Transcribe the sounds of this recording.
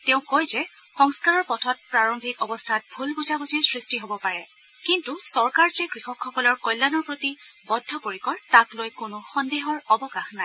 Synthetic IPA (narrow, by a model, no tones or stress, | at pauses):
tẽʊ̃kojzɛ | xɔŋskaɹɔɹpɔtʰɔt̚pɹaɹɔmbʱikɔbɔstʰat̚bʱulbuzabuzisɹistiɦobɔpaɹɛ | kintusɔɹkaɹzɛɡɹixɔkʰːɔkɔlɔɹkɔjlːanɔɹpɹoti | bɔdʱːɔpoɹikɔɹtaklojkʊnʊxɔndeɦɔɹɔbɔkaxnaj